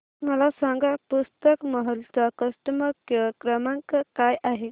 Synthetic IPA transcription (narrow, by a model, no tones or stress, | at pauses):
məlasãŋɡapust̪əkməɦəlt͡sakəsʈəməkəkɾəmãŋkəkajʔaɦe